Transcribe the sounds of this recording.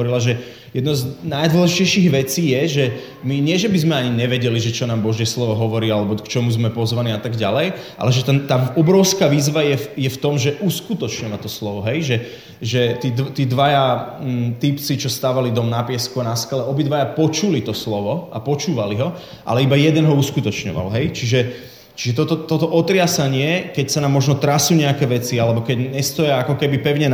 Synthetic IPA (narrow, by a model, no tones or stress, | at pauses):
ɔɾilaʒɛ | jɛd̪nɔznajd̪l̩ʒit͡ɕɛjʃiɣʋɛt͡siːjɛʒɛ | miɲɪɛʒɛbizmɛaɲiɲɛʋɛɟɛliʒɛt͡ʃɔnaːmbɔʒɪɛslɔʋɔɦɔʋɔɾiːalɛbɔkt͡ʃɔmuzmɛpɔzʋaniːat̪aɡɟalɛjʔa̰lɛʒɛt̪ɛt̪aːɔbɾɔʊskaːʋiːzʋajɛjɛft̪ɔmʒɛʔuskut̪ɔt͡ʃɲɔʋat̪ɔslɔʋɔɦɛjʒɛ | ʒɛt̪id̪t̪iːd̪ʋaja | t̪ipt͡sit͡ʃɔst̪aːʋalid̪ɔmnapɪɛskuanaskalɛɔbid̪ʋajapɔt͡ʃulit̪ɔslɔʋɔʔa̰pɔt͡ʃuːʋaliɦɔ | ʔa̰lɛibajɛd̪ɛnɦɔuskut̪ɔt͡ʃɲɔ̰ʋa̰lɦɛjt͡ʃiʒɛ | t͡ʃiʒɛt̪ɔt̪ɔt̪ɔt̪ɔʔɔt̪ɾɪasaɲɪɛkɛcsanaːmːɔʒnɔt̪ɾasuːɲɛakɛːʋɛt͡sialɛbɔkɛɟɲɛst̪ɔjaakɔkɛbipɛʊɲɛ